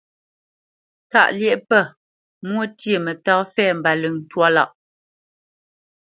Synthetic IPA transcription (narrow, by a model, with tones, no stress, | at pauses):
ta̰˦˨ʔljɛ˦ʔpə˦˨ | mwə˦tje˨mə˨tɔ˦fɛ˦˨m̩˨ba˨lʉ˨ŋn̩˨twa˦la̰˦˨ʔ